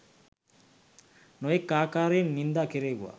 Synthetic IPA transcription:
nɔjekːaːkaɾenind̪akeɾeɡua̰

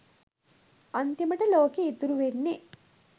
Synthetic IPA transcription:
ɐnt̪jɐmɐʈɐloːkeit̪ːuɾuʋenːe

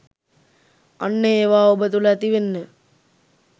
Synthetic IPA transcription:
ɐ̰nːəeːʋaːobət̪ulɐːt̪iʋenːə

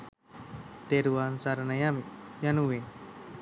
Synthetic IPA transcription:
t̪eɾuansaɾanajamijanuwe

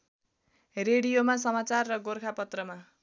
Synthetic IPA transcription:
reɽijomas̬ʌmat͡sarːʌɡorkʰapʌt̪rʌma

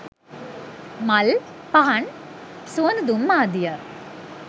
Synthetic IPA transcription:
mɐl | pɐɦɐɳ | suːnd̪umːaːd̪ijɐ

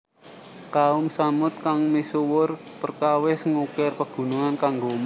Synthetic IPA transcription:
kaʊmsamʊt̪̚kaŋmisuwʊr | pərkawɪsŋukɪrpəɡ̥ṳnuŋankaŋɡom

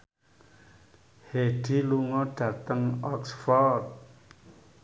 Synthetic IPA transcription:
heɖ̥i̤luŋɔɖ̥a̤t̪əŋɔksfɔrt̪̚

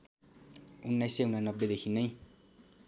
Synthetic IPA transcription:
unːajseunanʌbːed̪ekʰinʌj

